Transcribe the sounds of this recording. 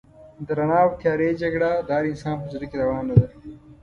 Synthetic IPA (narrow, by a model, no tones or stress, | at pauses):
d̪əɾɐnaːwt̪jɑːɾeːd͡ʒɐɡɽad̪aːɾɪnsɑːnpəzɾɐked̪ɐwɑːnːɐd̪a